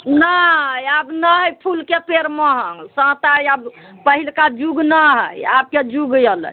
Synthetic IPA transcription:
naɦəjabnəɦjpʰulkepeɾməɦə̃ŋɡsə̃t̪ajab | pəɦilkad͡ʒuɡnaɦə̰jab̚ked͡ʒuɡjələ̰

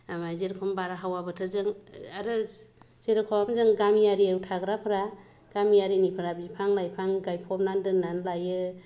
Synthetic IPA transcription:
amajzeɾkʰɔmbaɾaɦawabɯtʰɯzɯŋaɾɯ | z̥eɾɯkʰɔwamzɯŋɡamijaɾiawtʰaɡɾapʰɾa | ɡ̥amijaɾinipʰɯɾabipʰaŋlajpʰaŋɡajpʰɔpnandɯnanlajɯ

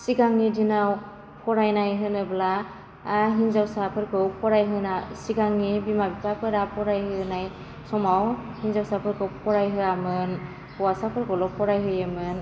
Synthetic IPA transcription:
siɡaŋidinaw | pʰɔɾajnajɦɯnɯblaː | ɦinzawsapʰɯɾkʰɯwpʰɔɾajɦɯnasiɡaŋːibimabipapʰɯɾapʰɔɾajɦɯnaj | sɔmawhinzawsapʰɯɾkʰɯwpʰɔɾajɦɯamɯn | pɔwasapʰɯɾkʰɔwlɔpʰɔɾajɦɯjamɯn

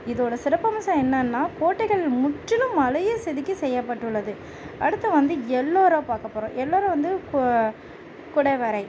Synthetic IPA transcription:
ɪðoːɽɐsɪɾɐpːɐmɐsɐ̃ɛnːɐnːaːkoːʈːɪɣɐɭɪlmʊʈːɪlɯ̃mːɐlɐjesɛðɪkʲːɯsɛjːɐpːɐʈːɯɭːɐðɯ | ɐɽɯt̪ːɐʋɐnd̪ɯɛlːoːɾopaːɾkɐpːoːɾõːʔɛlːoːɾɐ̃ːʋɐnd̪ɯ | kʊɽɐɪʋɐɾɐɪ

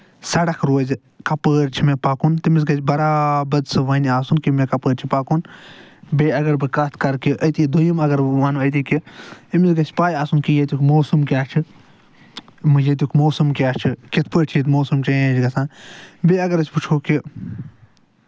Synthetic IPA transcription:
sɐɽɐkʰɾoːz | kɐpəːɾʲt͡ʃʰimẽpaːkunt̪imizɡɐsʲbɐɾaːbɐd̪sɨʋɐnʲiaːsunkimẽkɐpəːɾt͡ʃʰipaːkun | beːɐɡɐɾbɨkɐt̪ʰkɐɾkiʔɐt̪id̪ujimɐɡɐɾmaːnuɐt̪̬iːkiimizɡɐsʲpaːjaːsunkijet̪ʲukʰmoːsɨmkʲaːt͡ʃʰɨ | mɨjet̪̬ʲukʰmoːsɨmkʲaːt͡ʃʰikit̪ʰpəːʈʰijit̪moːsumt͡ʃɐẽd͡ʒɡɐsãːnbeːɐɡɐɾɐsʲput͡ʃʰoːki

